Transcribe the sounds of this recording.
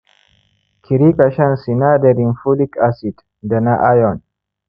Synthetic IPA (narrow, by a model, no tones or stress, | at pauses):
kʰɪɾikʼɐʃɐnsɪnaːd̪ɛɾinfulikʼasit̪ʼ | d̪ɐnaʔajɔn